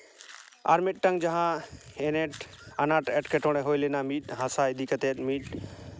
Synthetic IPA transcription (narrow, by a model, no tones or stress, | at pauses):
a̰ɾmeʈʈːə̃ŋɡd͡ʒəɦãeneʈanaʈeʈkeʈoɽ̃eɦojlenamiʈɦãsaid̪ikət̪et̪miʈ